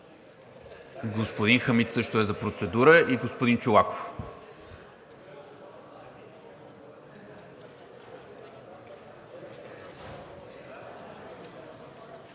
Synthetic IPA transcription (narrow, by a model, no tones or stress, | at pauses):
ɡospod̪inxəmit̪sɤʃt̪oɛzɐpɾot̪sɛd̪uɾəʔiɡospod̪int͡ʃolˠako̥f